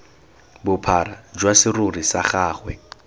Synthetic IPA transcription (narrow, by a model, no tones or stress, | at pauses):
bʊpʰarad͡ʒwasɪrʊrisaχaːχwɛ